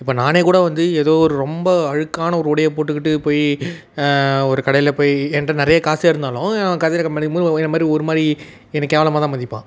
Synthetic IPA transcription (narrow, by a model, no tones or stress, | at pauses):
ɪpːoːnaːneːkuːɽɐʋɐnd̪ɯeðoːɔɾɯɾɔmbɐɐɻɯkːaːnɐɔɾɯɔɽɐjɐp̬oːʈːɯkːɪʈːɯpoːj | ɔɾɯkɐɽɐjɪlɐpoːjɛnrɐnɪɾɐjɐkaːsaːɪɾɯnd̪aːlʊ̃ːkɐðɐɪlɐkɐmɐnɯmuɪnɐmaːd̪ɾiɔɾɯmaːd̪ɾi | ɛnɐkːeːʋɐlɐmaːt̪ãːmɐnd̪ɪpːã̰ː